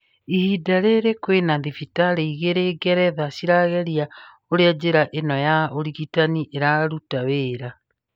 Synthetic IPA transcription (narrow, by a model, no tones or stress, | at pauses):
ihidaɾeɾekwenaðifitaɾeiɣeɾeɡɛɾɛðaʃiɾaɣɛɾja | oɾead͡ʑeɾaʔenɔjaoɾiɣitaniʔeɾaɾutaweːɾa